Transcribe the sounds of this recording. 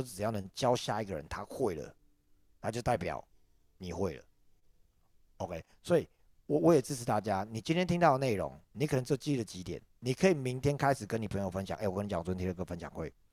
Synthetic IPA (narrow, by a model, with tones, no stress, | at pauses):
ʊt͡s̩ɻ̩˨˩jɑ˥˩ʊnə˧˦ŋt͡ɕjɑ˦ʊɕja˥˧i˦˥ɡə˨ɻə̰˧˦nt̪ʰa˦xwe˥˩ɪlə̰˩ | t̪ʰa˥t͡ɕjo˥˧ʊt̪a˥˩ɪpjɑ̰˨˩ʊ | ni˨˩xwe˥˩ɪlə̰˩ | o˧ʊkʰe˦˥ɪswɔ˧˥i˨˩ | wɔ˨˩wɔ˨˦jɛ˨˩t͡sɹ̩˥˩t͡s̩ʰ˨˩t̪a˥˨˩t͡ɕja˦ni˨˩t͡ɕi˦˥nt̪ʰjɛ˥nt̪ʰi˦ŋt̪ɑ˥˩ʊə˩ne˥˩ɪɻo̰˨˧˦ŋni˨˥kʰnə˦ŋt͡sɤ˥˩˧t͡ɕi˥˨˥ə˨˩t͡ɕi˨˥t̪jɛ̰˨˩˦nni˨˩kʰə˧˥i˨mi˨˦ŋt̪ʰjɛ˥nkʰa˥˦ɪʂɻ̩˨˩kə˦ni˨˩pʰə˧˦ŋjo˨˩fə˦nɕjɑ̰˨˦ŋʔwkə˦ni˨t͡ɕɑ˨ŋ˩wə˥nt̪ʰi˥d̪ə˨kə˥˩fə˦nɕjɑ̰˨˩ŋxwe˥˩ɪ